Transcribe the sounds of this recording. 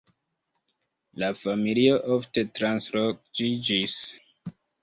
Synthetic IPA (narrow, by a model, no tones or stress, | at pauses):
lafamilio̞ʔofte̞tɾanslokd͡ʒid͡ʒis